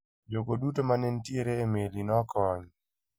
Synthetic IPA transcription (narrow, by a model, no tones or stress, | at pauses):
d͡ʒokodutomanɛntieɾeːmelinɔkɔɲ